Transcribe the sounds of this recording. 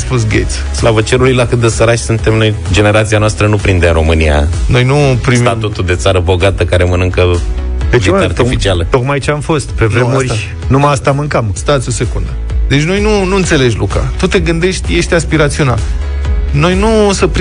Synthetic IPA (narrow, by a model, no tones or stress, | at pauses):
spus̬ɡʲet̪s | slavət͡ʃe̞ɾulujlakɨt̪̚d̪esəɾaʃsunt̪e̞mno̞jd͡ʒe̞ne̞ɾat̪sianoast̪ɾənupɾind̪eɾo̞mɨnḭja̰no̞jnupɾismat̪ut̪ud̪e̞t̪saɾəbo̞ɡat̪əkaɾemənɨŋkəd̪eeaaɾt̪fit͡ʃialət̪o̞kmajt͡ʃeamfo̞st̪pevɾemoa | numaast̪amɨŋkamst̪at̪siose̞kund̪ə | d̪e̞t͡ʃʲno̞jnunuɨnt̪se̞le̞d͡ʒʲluka̰t̪ut̪e̞ɡɨnd̪e̞ʃt̪ʲje̞ʃt̪ʲaspiɾat̪sional | no̞jnusəpɾ